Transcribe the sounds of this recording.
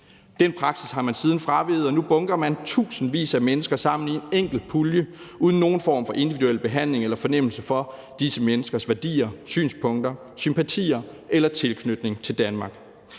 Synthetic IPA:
d̥enpʰʁɑ̈ɡ̥sishɑ̈mænsiːð̞ˠn̩fʁɑ̈ʋeð̩ˠɒnub̥ɔ̽ŋɡ̥ɐmænt͡sʰṵːsən̩ʋḭːsæmenəsɡ̥ɐsɑ̈m̰n̩ie̝neŋ̰ɡ̥l̩pʰuljə | uːð̞ˠən̩ːo̝ːn̩fɒ̰ːmfɒ̽ʔe̝ndiʋiduel̰b̥e̝ɦæn̰le̝ŋelɐfɒ̽nem̰l̩səfɒ̽ | d̥isəmenəsɡ̥ɐsʋæɐd̥ḭːɐsy̰ːnspʰɔ̽ŋd̥ɐ | sympʰæt͡sʰḭːɐ | elɐt͡sʰe̝lkʰnød̥ne̝ŋt͡sʰe̝ld̥ænmɑ̈ːɡ̥

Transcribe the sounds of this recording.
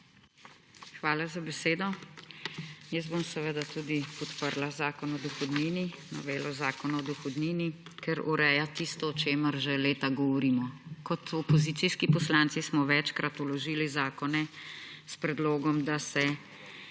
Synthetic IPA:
xʋaːlazabɛseːd̪ɔ | jəzbomsɛʋed̪at̪uːd̪ipɔt̪pəɾlazaːkɔnɔd̪ɔxɔd̪nininɔ̰ʋeːlɔzaːkɔnaɔd̪ɔxɔd̪niːnikɛɾṵɾɛːjat̪ist̪ɔɔt͡ʃeːməɾʒeleːt̪aɡɔʋɔɾiːmɔkɔt̪ɔpɔzit̪siskipɔslaːnt̪sismɔʋɛt͡ʃkɾat̪ulɔʒilizaːkɔnɛ | spɾɛd̪loːɡɔmd̪asɛ

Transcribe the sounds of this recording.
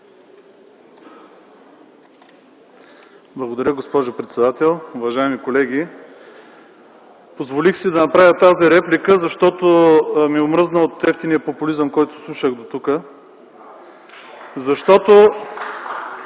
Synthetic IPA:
blˠɐɡod̪ɐɾʲəɡospɔʒʊpɾɛt̪sɛd̪at̪ɛlˠʊvɐʒaɛmikolɛɡʲi | pozvolixsid̪ɐnɐpɾavʲjət̪aziɾɛplikəzɐʃt̪ɔt̪omiomɾɤznəot̪ːɛft̪iniəpopulizəmkɔjt̪ʊ̥slˠuʃəɣd̪ot̪ukə | zɐʃt̪ɔt̪o

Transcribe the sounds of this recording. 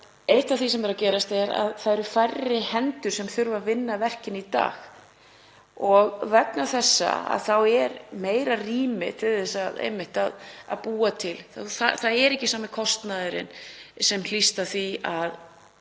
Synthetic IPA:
ejht̪avθisɛmvɛɾacɛːɾast̪ɛɾa̰ðθaðɛɾʏfajrːɪhɛnt̪ʏɾ̥sɛmθʏɾvavɪnːavɛr̥cɪnit̪a̰ːx | ɔɣvɛk̚naθɛsːa̰a̰ðθawɛɾmeːjɾariːmɪ̰t̪ʰɪθɛsaðḛjmːɪht̪aða̰ðpuːat̪ʰɪlθaθaθaðɛɾɛhcɪsaːmɪkʰɔst̪naðʏɾɪ̰nsɛml̥ist̪aθiað

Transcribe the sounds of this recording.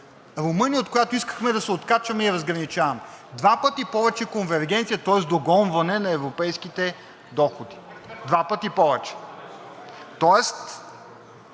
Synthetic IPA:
ɾomɤniot̪kojat̪oʊiskə̥xmɛd̪ɐsɛot̪kat͡ʃɐmɛiɾɐzɡɾɐnit͡ʃavɐmd̪vapɤt̪ipɔvɛt͡ʃɛkonvɛɾɡʲɛnt̪sijɐt̪ɔɛsd̪oɡɔnvɐnɛnɐɛvɾopɛjsk̟it̪ɛ | d̪ɔxod̪i̥d̪vapɤt̪ipɔvɛt͡ʃɛ̥ | t̪ɔɛst̪

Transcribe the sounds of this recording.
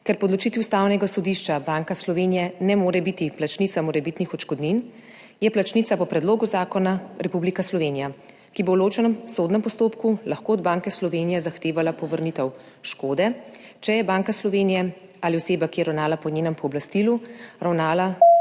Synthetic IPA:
kɛɾpɔd̪lɔt͡ʃiːt̪ʋʲiust̪aːwnɛɡasɔd̪iʃt͡ʃabaŋkaslɔʋeːnijɛnɛmoːɾɛbit̪iplat͡ʃnit̪amɔɾɛbiːt̪nixɔt͡ʃkɔd̪nin | jɛplat͡ʃnit̪sapɔpɾɛd̪loːɡuzaːkɔnaɾɛpublikaslɔʋeːnija | kiboloːt͡ʃɛnɔmsod̪nɛmpɔst̪oːpkulaxkoːɔd̪baŋkɛslɔʋeːnijɛzaxt̪eːʋalapɔʋəɾnit̪ɛw | ʃkoːd̪ɛt͡ʃɛjɛbaːŋkaslɔʋeːnijɛ | aːliɔseːbakijɛɾawnaːlapɔɲeːnɛmpɔːblast̪iluɾawnaːla

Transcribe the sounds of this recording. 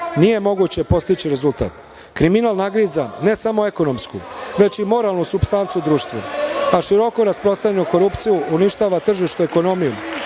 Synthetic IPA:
nije̞mo̞ɡut͡ɕe̞po̞st̪it͡ɕiɾe̞zult̪a̰ːt̪ | kɾiminalˠnaɡɾizane̞samo̞e̞ko̞nomskṵʋe̞t͡ɕimo̞ɾalˠnusubst̪ant̪sud̪ɾuːʃt̪ʋṵaʃiɾo̞ko̞ɾaspɾo̞st̪ɾaʎenuko̞ɾupt̪sijuʔuniʃt̪aːʋat̪r̩ʒiʃt̪ueko̞no̞miju

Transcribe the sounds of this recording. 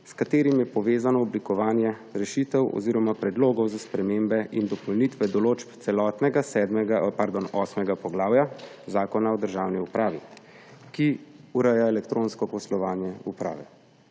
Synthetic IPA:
skat̪eːɾimjɛpɔʋeːzanɔɔblikɔʋaːnjɛ | ɾɛʃit̪ɛwɔ̰ziːɾɔmapɾɛd̪loːɡɔwzaspɾɛmembɛʔind̪ɔpɔlnit̪ʋɛd̪ɔloːt͡ʃpt̪sɛlɔːt̪nɛɡasɛd̪mɛɡapaɾd̪onɔsmɛɡapɔɡlaːwjazaːkɔnaɔd̪əɾʒaːwniupɾaːʋi | kiuɾɛjaɛlɛkt̪ɾoːnskɔpɔslɔʋaːnjɛupɾa̰ːʋɛ̰

